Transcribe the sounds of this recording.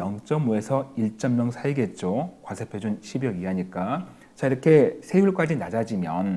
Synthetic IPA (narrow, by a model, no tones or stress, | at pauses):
jʌŋt͡ɕ͈ʌmue̞sʰʌiɭt͡ɕ͈ʌmːjʌŋsʰaiɡe̞t̚t͡ɕ͈okwasʰepʰjod͡ʑunɕʰibjʌɡiɦaɲik͈a | t͡ɕaiɾʌkʰe̞sʰe̞juɭk͈ad͡ʑinad͡ʑad͡ʑimjʌn